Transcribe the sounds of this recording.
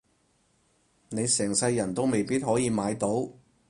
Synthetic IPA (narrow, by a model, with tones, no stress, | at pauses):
ne˨˧jsɛː˨˩ŋsɐ˧jːɐ˨˩nt̪o˥wme˨jpiː˥t̚ɦɔː˨˥jiː˨˧maː˨˧jt̪o˨˥w